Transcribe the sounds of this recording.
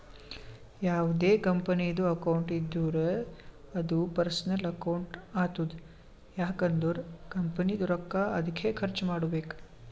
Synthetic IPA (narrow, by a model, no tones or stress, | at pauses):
jaːʋud̪eːkɐmpɐniɐd̪uɐkɐwɳʈid̪ːuːɾeɐd̪upɐɾsɐnɐlɐkɐwɳʈaːt̪ud̪ | jaːkɐnd̪uɾkɐmpɐnid̪uɾɐkːaɐd̪ʱikʰeːkʰɐɾt͡ʃmaːɽubeːk